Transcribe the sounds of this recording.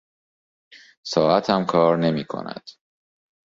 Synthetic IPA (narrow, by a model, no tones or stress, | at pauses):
sɒːʔæt̪ʰæmkʰɒːɾne̞miːkʰo̰næ̰d̪̥